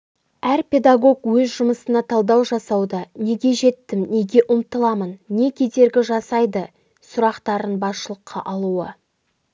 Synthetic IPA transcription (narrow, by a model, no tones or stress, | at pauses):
æɾpʲe̞d̪aɡo̞kwɵzʒʊməsənɑt̪ʰɑlˠd̪ɑwʒɑsɑwd̪əne̞ɡʲe̞ʒe̞t̪ːɪmne̞ɡʲe̞ʔʊmt̪əlˠɑmənːe̞kʲʰe̞d̪e̞ɾɡʲɪʒɑsɑjd̪ə | sʊɾɑqt̪ɑɾənbɑsʃəlˠəqʰːɑ̰ʔɑlˠuə